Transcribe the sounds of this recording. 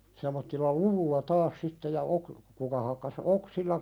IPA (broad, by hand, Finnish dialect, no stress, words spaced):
semˑotːilːɑ luʋulːɑ tɑːs sitːe jɑ ok kukɑ hɑkːɑs oksilːɑ